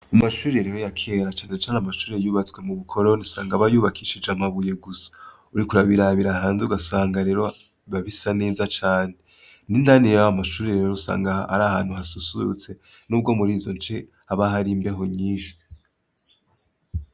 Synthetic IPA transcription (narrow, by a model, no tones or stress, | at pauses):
amaʃuːɾeɾeɾojakʰeɾat͡ʃaːne̞t͡ʃaːneamaʃuːɾejuːβat͡swe̞muβukʰo̞ɾonisaːŋɡaβajuːβakʰiʃid͡ʒamaβuje̞ɡusḁ | uɾikuɾaβiɾaβiɾaɦaːnzuɡasaːŋɡaɾe̞ːɾo | βaβisane̞ːzat͡ʃaːne | nindanijamaʃuːɾeɾeoɾusa̰ːŋɡaa̰ɾahaːn̥huɦasusṵṵt͡se̞ | nuːb̚ɡo̞muɾiːzo̞nt͡ʃe | aβaɦaɾimbe̞ɦo̞ɲiːʃi̥